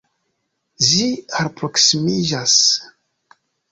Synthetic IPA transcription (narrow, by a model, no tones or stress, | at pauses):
ziaɾpɾoksimiʒas